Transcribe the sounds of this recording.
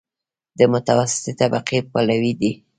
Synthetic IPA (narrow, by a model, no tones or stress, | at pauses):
d̪əmʊt̪awasɪ̥t̪et̪abaqepalawid̪i